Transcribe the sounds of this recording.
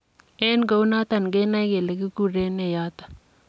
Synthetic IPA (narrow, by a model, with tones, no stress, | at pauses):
e˦nɡo˦u˦na˦t̪a˦˨nɡe˦na˦i˦ke˨le˨ɡi˦ku˦˨ɾe˦ne˨ja˦t̪ḁ˨